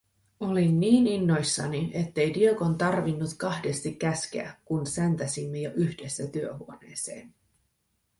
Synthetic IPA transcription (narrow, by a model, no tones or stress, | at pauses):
o̞linːiːninːo̞jsːɑniʔe̞t̪ːe̞jdioko̞nt̪ɑrʋinːut̪kɑhde̞st̪ikːæsk̟eækunsent̪æsimːejoʔyçd̥e̞sːæt̪yøɦuone̞ːse̞̰ːn